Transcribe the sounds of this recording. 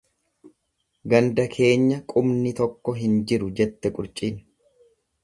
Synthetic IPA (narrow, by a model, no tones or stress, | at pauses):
ɡɐnd̪ɐkʰe̞ːɲːɐkʼʊmnɪt̪ɔkːɔɦɪnd͡ʒɪɾʊd͡ʒɛt̪ːɛkʼʊɾt͡ʃʼiːn